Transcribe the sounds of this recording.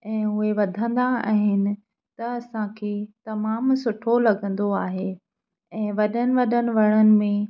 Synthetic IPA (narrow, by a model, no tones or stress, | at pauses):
ɛ̃ːʊɦeʋɐd̪ʱə̃nd̪aa̰ːɦɪnɪ̆ | t̪ɐɐsãkʰeːt̪ɐmaːmsʊʈʰolɐɡə̃nd̪oaːɦe | ɛ̃ːʋɐɗənɪ̆ʋɐɗənɪ̆ʋɐɽ̃ənɪ̆mẽ